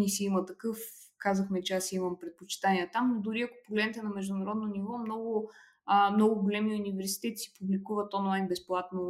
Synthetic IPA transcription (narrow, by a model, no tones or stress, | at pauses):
nisiimət̪ɐkɤfkazəxmɛt͡ʃɛasimɐmpɾɛt̪̚pot͡ʃi̥t̪anʲiɛt̪amd̪ʊɾiɐkʊ̥poɡlɛd̪nɛt̪ɛnɐmɛʒd̪ʊnɐɾɔd̪nonivɔmnɔɡʊ | əmnɔɡʊɡʊlʲɛmiunivɛɾsi̥t̪ɛt̪i̥si̥publikuvət̪ɔnlˠajnbɛsplˠat̪no